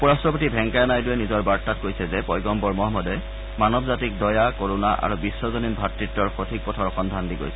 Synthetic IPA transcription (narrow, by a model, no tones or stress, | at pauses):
pɔɹastɔpotibʱɛŋkajɔnajdʊɛnizɔɹbaɹtːat̚kojsɛzɛpɔjɡɔmpɔɹmɔɦɔmɔdɛ | manɔbzatik̚dɔjakoɹunaʔa̰ɹubisːɔzɔninbʱatɹitːɔɹxotʰik̚pɔtʰaɹɔxɔndʱandiɡo̰jsɛ